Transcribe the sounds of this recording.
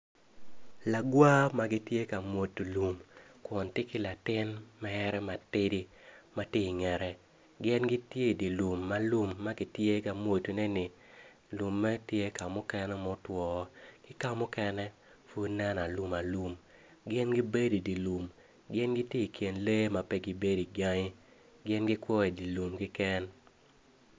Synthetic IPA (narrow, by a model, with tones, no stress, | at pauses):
la˨ɡwa˦ma˦ɡɪ˦tje˦ka˨mwo˨tːu˨lu˨mkwɔ˨ntɪ˦kɪ˦la˨tɪ˦nmɛ˦ɾɛ˦ma˨tɪ˦di˦ma˦te˦i˨ŋɛ˨ɾɛ˦ | ɡɪ˦nɡɪ˦tje˦i˨di˨lu˨mːa˦lu˦mːa˦ɡɪ˦tje˦ka˨mwo˨tu˨nɛ˦nɪ˨ | lu˨mːa˦tje˦ka˨mʊ˦kɛ˦nɛ˦mɔ˦twɔ˨kɪ˦ka˦mʊ˦kɛ˦nɛ˦ | fu˦nɛ˦na˨lu˦ma˨lu˦m | ɡɪ˦nɡi˦be˦di˨di˨lu˨m | ɡɪ˦nɡɪ˦tje˦i˨kʰje˨nle˦ma˨pɛ˦ɡɪ˦be˦di˨ɡa˦ŋɪ˦ | ɡɪ˦nɡɪ˦kwɔ˦i˨di˨lu˨mkɪ˦kɛ˦n